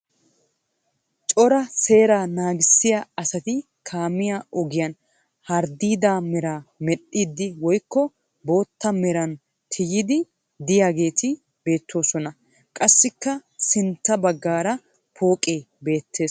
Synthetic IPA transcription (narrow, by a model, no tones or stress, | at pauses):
t͡ʃʼɔɾɐse̞ːɾaːnaːɡɪsːɪjaɐsɐt̪ɪ | kʰaːmɪjaɔɡɪjɐn | hɐɾd̪iːd̪aːmɛɾaːmɛɗiːd̪ːɪwɔjkːɔ | bo̞ːt̪ːɐmɛɾɐn | t̪ʰɪjɪd̪ɪ | d̪ɪjaːɡe̞ːt̪ɪ | be̞ːt̪ʰːo̞ːsɔnɐ | kʼɐsːɪkːɐsɪnt̪ːɐbɐɡːaːɾɐ | pʰo̞ːkʼeː | be̞ːt̪ːe̞ːs